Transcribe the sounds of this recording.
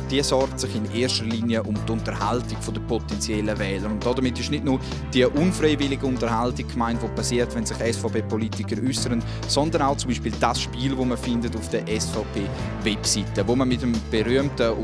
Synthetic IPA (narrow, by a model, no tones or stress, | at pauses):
d̥iːəsɔɾɡtsɪχɪneːʃtəliːniəʔʊmtʊntəɾhaltɪɡ̥fodəpʰɔtɛnt͡sjɛləvɛːləɾʊntd̥ɔdəmɪtɪʃnɪdnu | d̥iːəʔʊnfreɪvɪlɪɡəʊntəɾhaltɪkkmaɪntv̥ʋoːpʰasiːətvɛnsɪχɛsfapeːpɔlitɪkəɾʏsəɾən | sɔndənaʊt͡sʊmbiːʃpiːld̥asʃpiːlvoːməfɪndətufd̥əʔɛsfaʊpeː | vɛpsitəvoːməmɪtəmb̥ɛɾyəmtə